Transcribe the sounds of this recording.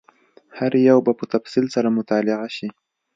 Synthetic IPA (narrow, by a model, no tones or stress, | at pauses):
haɾjawbapət̪afsilsaɾamʊt̪ɑlɪɣaʃi